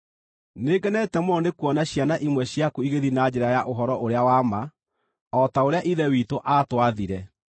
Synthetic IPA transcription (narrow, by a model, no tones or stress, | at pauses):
neːɡɛnɛtɛmɔnekuɔnaɕjanaʔimwɛɕjakuiɣeðinad͡ʑeɾajaʔoɦɔɾɔʔoɾeawama | ɔtaoɾeaʔiðɛwitoʔaːtwaðiɾɛ